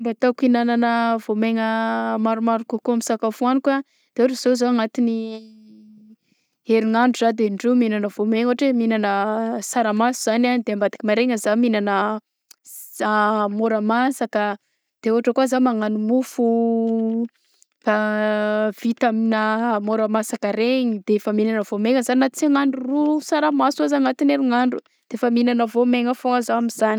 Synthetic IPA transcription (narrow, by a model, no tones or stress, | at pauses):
mbat̪akinananəvomeŋəmaɾumaɾukakuamisakafuanika | d̪̥euʈ͡ʂəz̥ozoaŋat̪ini | eɾiŋaɳɖ͡ʐuzad̪eɳɖ͡ʐeminanəvomeŋoaʈ͡ʂeminanəsaɾamasuz̥ananid̪eambad̪i̥kimaɾeŋəzaminanə | amoɾəmasakə | d̪̥euɦaʈ͡ʂəkuazamaŋanumufu | b̥a | v̥it̪aminamoɾəmasakəɾeɲid̪̥eefəminanəvomeŋəzaninat͡siaŋaɳɖ͡ʐurusaɾamasazaŋat̪ineɾiŋaɳɖ͡ʐu | d̪̥eefəminanəvomeŋəfoazaamizani̥